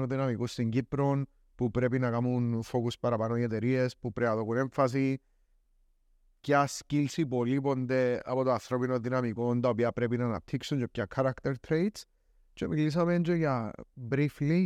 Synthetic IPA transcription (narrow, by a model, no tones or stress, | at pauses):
oðinɐmikust̪iɲɟipɾon | pupɾep̬inɐkamunfokuspɐɾapanojet̪eɾiespupɾeaðokuneɱfɐs̬i | cascilsipolipond̪ea̰pot̪oaθɾo̞pinoðinamikont̪aopiɐpɾepinana̰p̚t̪ʰiksunt͡ʃop̚cakʰːaɾakt̪eɾt̪ʰɾejt̪s | t͡ʃomilis̬ɐment͡ʃojɐbɾifli